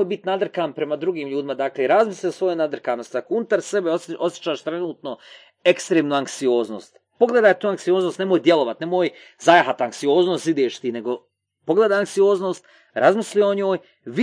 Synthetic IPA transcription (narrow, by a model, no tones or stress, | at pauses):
ojbit̪nad̪r̩kaːnpɾe̞mad̪ɾuɡiːmʎuːd̪imad̪aːkleɾazmislʲisʋo̞jenad̪r̩kaːno̞st̪akounut̪aɾse̞beoʔosje̥t͡ʃaːʃt̪ɾe̞nuːt̪no̞ | e̞kst̪ɾeːmnuːaŋksioːzno̞̰ːst̪ | po̞ɡle̞d̪aːjt̪uːaŋksijoːznost̪ne̞mojd̪je̞lˠo̞ʋat̪ne̞moːj | zajaɦat̪aŋksio̞ːznoːst̪id̪eːʃt̪iːne̞ɡo̞ | po̞ɡleːd̪aːaŋksioːzno̞ːst̪ | ɾazmislijoɲoːj | ʋ